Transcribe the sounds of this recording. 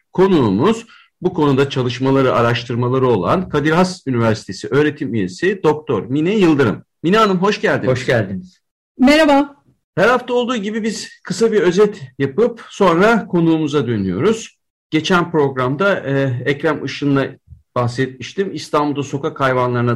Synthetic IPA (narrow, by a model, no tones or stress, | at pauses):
kʰo̞nuːmuz̥ | bukʰo̞nud̪at͡ʃʰalˠɯʃmalˠaɾɯʔaɾaʃt̪ʰɯɾmalˠaɾɯo̞lˠa̰nkʰad̪iɾɦasynivæɾsi̥t̪ʰe̞siʔø̞ːɾe̞t̪ʰimyje̞sid̪o̞k̚t̪ʰo̞ɾminɛjɯlˠd̪ɯɾɯ̰m | minaːnɯmɦo̞ʃɟælʲd̪ioʃælʲd̪iniz̥ | meɾaba | hæɾhaft̪ao̞lˠd̪uːɟibibiz̥kʰɯsabiɾø̞zɛt̪japɯpso̞nɾakʰo̞nuːmuzad̪ø̞nyjo̞̰ɾuz̥ | ɟ̥e̞t͡ʃʰænpɾo̞ɡɾamd̪aɛcɾamɯʃɯnd̪a | b̥axsɛt̪̚miʃt̪ʰimist̪ʰambulˠd̪aso̞kakʰajvanlˠaɾɯna